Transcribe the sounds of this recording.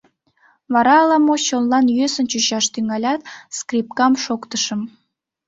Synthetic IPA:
βɑɾɑːlɑmoɕonlɑnjøsənt͡ɕyɕɑʃt̪yŋɑlʲɑt̪skrip̚kɑmʃokt̪əʃəm

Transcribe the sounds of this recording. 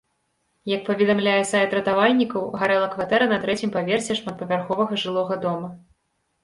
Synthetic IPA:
jɐk̚pɐvʲɛd̪amlʲajɛsajɛt̪ɾɐt̪avalʲnʲikɐwɣaɾɛlˠɐkvat̪ɛɾɐnɐt̪ɾɛt͡sʲimpavʲɛrsʲɛʂmat̪̚pɐvʲarxɔvɐɣɐʐɨlˠɔɣɐd̪ɔmɐ

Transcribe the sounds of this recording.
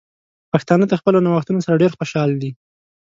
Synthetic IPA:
paxt̪ɑnəd̪əxpəlonawaxt̪unosaɾaɖeɾxoʃɑld̪i

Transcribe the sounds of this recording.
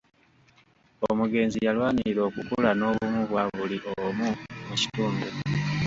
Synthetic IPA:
omuɡe̞ːnzijalwaːniɾo̞ːkukulano̞ːβumuβwaβuliʔomumuci̥tuːndu

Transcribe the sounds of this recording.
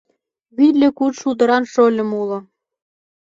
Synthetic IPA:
βillʲĕkutʃud̪ə̆ɾɑnʃolʲə̆mulɤ̆

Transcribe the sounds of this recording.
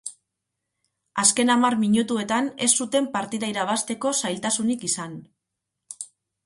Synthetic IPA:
aske̞namarmiɲut̪ue̞t̪ane̞sːut̪e̞mpaɾt̪iðaiɾaβast̪e̞ko̞sajlt̪asunikisan

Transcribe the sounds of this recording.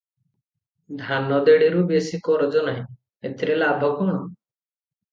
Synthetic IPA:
d̪ʱanɔd̪eɽiɾubesikɔɾɔd͡ʒɔnaj̃ | et̪iɾelabʱɔkɔɽ̃ɔ

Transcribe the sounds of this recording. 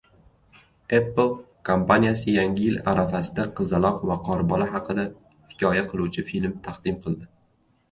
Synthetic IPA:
epːɨlˠ | kʰompanijasɪjaŋʲɪjɪla̰ɾafasɪd̪aqʰɨzalˠɒqvaqʰɒɾbɒnaɦɑqɨd̪a | hɪ̥kʲʰɒjaqʰɨlˠuwt͡ʃʰɪfilmt̪ʰaqd̪ɪmqʰɨlˠd̪ɪ

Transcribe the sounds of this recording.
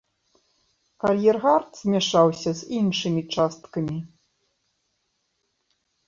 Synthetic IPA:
kɐlʲjɛrɣart̪z̥ʲmʲaʂawsʲɐzʲinʂɨmʲit͡ʂast̪kɐmʲi

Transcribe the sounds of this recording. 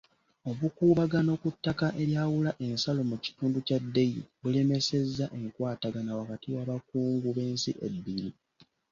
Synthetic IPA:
o̞βukuːβaɡano̞kutːakaʔe̞ɾjaːwulaʔe̞nsalo̞muci̥tuːnducadːe̞jḭβule̞me̞se̞zːaʔe̞ŋkwaːtaɡanawakatiwaβak̚uːŋɡuβe̞ːnsḭʔebːiɾi

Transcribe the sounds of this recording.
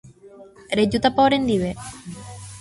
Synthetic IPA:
ɾed͡ʒut̪apaoɾend̪iβe

